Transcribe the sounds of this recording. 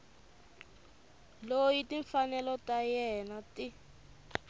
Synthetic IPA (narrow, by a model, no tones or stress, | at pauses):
lojitiɱfanɛlɔtajɛnati